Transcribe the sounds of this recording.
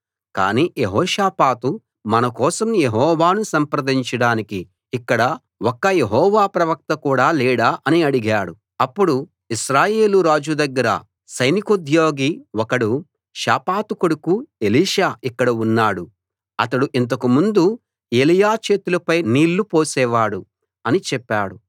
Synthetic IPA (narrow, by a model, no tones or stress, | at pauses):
ka̰ːniːjeɦɔːʃaːpaːt̪u | mɐnɐkɔːsɐmjeɦɔːʋaːnusɐmpɾɐd̪iɲt͡ʃɐɽaːnikiː | kːɐɽɐ | wɔkːɐjeɦɔːʋaːpɾɐʋɐk̚t̪ɐkuːɽaːlɛːɽaːʔɐniɐɽiɡaːɽu | ɐpːuɽu | iʃɾaːje̞ːluɾaːd͡ʒud̪ɐɡːɐɾɐ̰ | sɐjnikod̪ʱjoːɡiwɔkɐɽu | ʃaːpaːt̪ukoɽukue̞liːʂaːikːɐɽɐunːaːɽu | ɐt̪ɐɽuʔint̪̬ɐkumund̪u | e̞ːlijaːt͡ʃe̞ːt̪ulɐpɐjniːlːupoːsɛːʋaːɽu | ɐnit͡ʃɛpːaːɽu